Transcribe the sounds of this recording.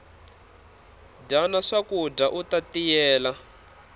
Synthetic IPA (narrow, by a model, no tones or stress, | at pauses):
danaʂakudaʔutat̪ijɛːla